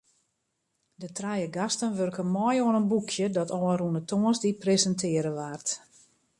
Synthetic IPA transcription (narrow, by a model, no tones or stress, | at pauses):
dətrajəɡastənʋørkəmɔjoənənbukʰjədɔtɔːərunətʰoənsdiprezəntʰɪəɾəʋaːrt